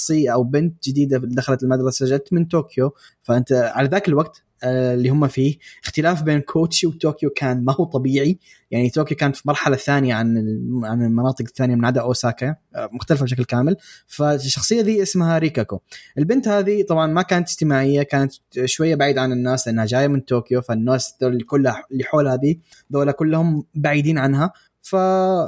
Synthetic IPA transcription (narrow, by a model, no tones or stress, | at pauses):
sˤiːaʔawbɪnt̪d͡ʒɪd̪iːd̪ad̪axalat̪ɪlmad̪ɾˤɑsasad͡ʒad̚t̪mɪnt̪oːkjo | faʔɪnt̪aʕalaðaːkɪlwaɡ̚t̪ | lːiːhʊmːafiːʔɪxt̪ɪlaːfbeːnkʰoːtʃiwt̪ːoːkjokʰaːnmahuːt̪ˤɑbiːʕi | jaʕnit̪oːkjokaːnt̪fimɑɾˤħalaθaːnɪjaʕanɪlʕanɪlmɑnɑːt̪ˤɨqɪθːaːnɪjamɪnʕad̪aʔoːsaːkamʊxt̪alfabʃaklkaːmɪlfaʃːɑxsˤɨjːaðiːʔɪsmhaɾiːkakoʔɪlbɪnt̪haːðit̪ˤɑbʕɑnmakaːnat̪ɪd͡ʒt̪ɪmaːʕɪjːakaːnat̪ʃwajːabaʕiːd̪ʕanɪnːaːslɪʔɪnhad͡ʒaːjːamɪnt̪ːoːkjofanːaːsd̪oikʊlːhalːiħoːlhad̪iː | d̪oːlakʊlːhʊmbaʕiːd̪iːnʕanɦa | fa